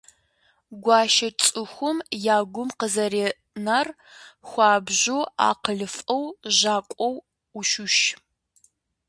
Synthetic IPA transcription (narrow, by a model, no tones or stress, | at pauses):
ɡʷɑːʃɐt͡ʃʼɨxʷʊmjaːɡʷʊmqəzɐɾe | nar | xʷɑːbʑua̰ːqəɮɨfʼɐwʒaːkʷʼɔw | uʃʊʃ